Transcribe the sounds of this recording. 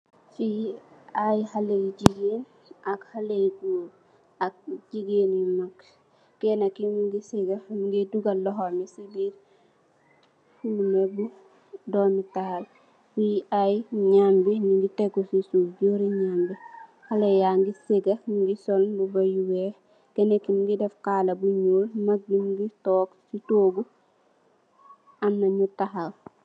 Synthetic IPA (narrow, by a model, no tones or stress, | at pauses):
fiajhalejɟiɡin | akhaleɡuːɾ | ak̚ɟiɡeːnimakː | ɛnɐkimuŋɡiseɡɐmuŋɡeduɡɐlɔɦɔmisibiːɾ | fumebu | dɔmitaːl | wiajɲambiniŋɡiteɡusisufɟoɾiɲambi | halejaŋɡiseɡɐmiŋɡisɔlbubajuwe | ɡ̥enekːimŋɡidɛfkaːlɐbuɲolmak̚ɟimɡitɔːksitoːɡu | anːaɲutaxal